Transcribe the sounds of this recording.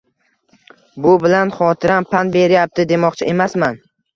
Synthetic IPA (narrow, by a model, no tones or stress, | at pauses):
bʊbɪlanχɒt̪ʰɪɾampʰanbe̞ɾjap̚t̪ɪd̪e̞mɒqt͡ʃʰaʔe̞masman